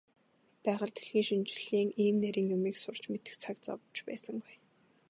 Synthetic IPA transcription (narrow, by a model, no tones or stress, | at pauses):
pæːʁə̆ɮt̪ʰe̥ɮɣiːŋʃint͡ɕɪ̥̆ɮ̥iːŋiːmnæɾʲiːŋjʊmiːksʊr̥t͡ɕmet̪ɘ̆xt͡sʰakt͡sɔ̰pt͡ɕpæ̰ːsə̆ŋɡuj